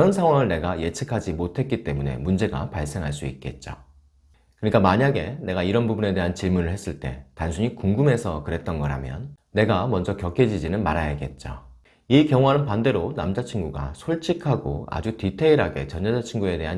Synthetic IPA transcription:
ʌnsʰaŋɦwaŋɯɭne̞ɡaje̞t͡ɕʰekʰad͡ʑimotʰe̞t̚k͈it͈e̞mune̞̰mund͡ʑe̞ɡa̰paɭs͈e̞ŋɦaɭs̬͈uit̚k͈e̞̰t̚t͡ɕ͈o̰ | kɯɲik͈amaɲaɡe̞ne̞ɡaiɾʌnbubune̞de̞ɦant͡ɕiɭmunɯɭhes͈ɯɭt͈e̞̰tansʰuɲikuŋɡume̞sʰʌkɯɾe̞t̚t͈ʌnɡʌɾɦamjʌ̰nːe̞ɡamʌnd͡ʑʌkjʌkʰe̞d͡ʑid͡ʑinɯnmaɾajaɡe̞t̚t͡ɕ͈o | ikjʌŋoɦanɯnpande̞ɾonamd͡ʑat͡ɕʰinɡuɡa̰sʰoɭt͡ɕʰikʰaɡo̰a̰d͡ʑutitʰe̞iɾɦaɡe̞̰t͡ɕʌnːad͡ʑat͡ɕʰinɡue̞de̞ɦa

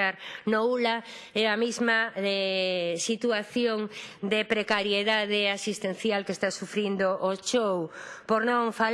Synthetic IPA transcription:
aɾnoulaɛamizmaɛsit̪uaθjoŋd̪epɾekaɾjeðaðeasist̪enθjalkest̪asufɾind̪oʔot͡ʃowpoɾnõŋfal

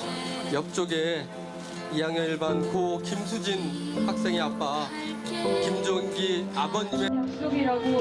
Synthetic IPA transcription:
jʌp̚t͡ɕ͈oɡe | ijaŋeiɭbankʰokimsʰud͡ʑinhak̚s͈e̞ŋeap͈a | kimd͡ʑonɡiabʌɲːimeoi

